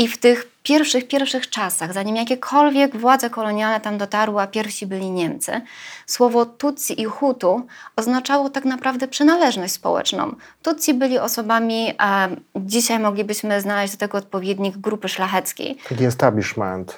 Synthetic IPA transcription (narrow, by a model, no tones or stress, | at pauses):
ift̪ɘxpʲjɛɾfʂɘxpʲjɛɾfʂɘxt͡ʂasaɣzaɲimjakʲɛkʰɔlvʲjɛɡvwad̪zɛkɔlɔɲjalnɛt̪amd̪ɔt̪aɾwɘapʲjɛɾfɕibɘlʲiɲɛmt̪sɘ̰swɔvɔt̪ut̪siʔixut̪uɔznat͡ʂawɔt̪aknapɾavd̪ɛpʂɘnalɛʐnɔɕt͡ɕʲspɔ̰wɛ̰t͡ʂnɔ̰̃w̃t̪ut̪sʲibɘlʲiɔsɔbamʲi | d͡ʑiɕajmɔɡlʲibɘɕmɘznalɛʑd͡ʑʲd̪ɔt̪ɛɡɔːt̪̚pɔvʲjed̪ɲiɡːɾupɘʂlaxɛt̪skʲḛj̪akʲiɛst̪abʲiʂmɛ̰nt̪